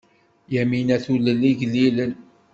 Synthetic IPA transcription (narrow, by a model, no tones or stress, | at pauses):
jæminæθuləlːiʝlːilən